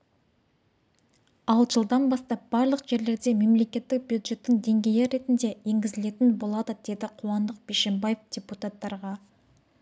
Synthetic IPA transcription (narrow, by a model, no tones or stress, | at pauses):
ɑlˠʒəlˠd̪ɑnbɑst̪ɑp̚bɑɾlˠəqʒe̞ɾle̞ɾd̪e̞me̞mle̞kʲe̞t̪ːɪk̚bjud̪ʒe̞t̪ːɪŋd̪e̞ŋɡʲe̞jeɾe̞t̪ɪnd̪e̞eŋɡʲɪzɪle̞t̪ɪnbo̞lˠɑd̪əd̪e̞d̪ɪqʰuwɑnd̪əq̚b̥eʃembɑjefd̪̥ʲeput̪at̪ːɑɾʁɑ